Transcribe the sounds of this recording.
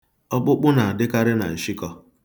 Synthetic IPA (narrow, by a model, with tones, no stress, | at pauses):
ɔ˦k͡pʊ˦k͡pʊ˦na˨a˨dɪ˦ka˦ɾɪ˦na̰˨n̩˨ʃi˦kɔ˦